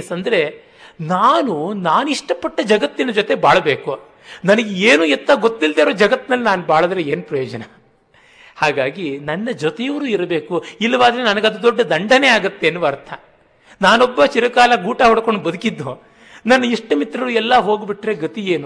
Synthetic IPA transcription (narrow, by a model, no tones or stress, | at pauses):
sɐnd̪ɐɾe̞ | naːnunaːnuiʂʈɐpɐʈːɐd͡ʒɐɡɐt̪ːinɐd͡ʒot̪e̞baːɭɐbe̞ːku | nɐnɐɡeeːnuɛt̪ːɐɡot̪ːild̪eːɾoːd͡ʒɐɡɐt̪ːnɐlːinaːnubaːɭɐd̪ɐɾeeːnupɾɐjoːd͡ʒɐnɐ | haːɡaːɡinɐnːɐd͡ʒot̪ejɐʋɐɾuːiɾɐbe̞ːkuilːɐʋaːd̪ɐɾenɐnɐɡɐd̪ud̪ɔɖːɐd̪ɐɳɖɐneaːɡɐt̪ːeːnːuʋɐɾt̪ʰɐ | naːnɔbːɐt͡ʃiɾɐkaːlɐɡuːʈɐɦɔɽɐkoɳɖubɐd̪ukid̪ːu | nɐnːɐiʂʈɐmit̪ɾɐɾuɛlːɐɦo̞ːɡibiʈːɾeɡɐt̪ije̞ːnu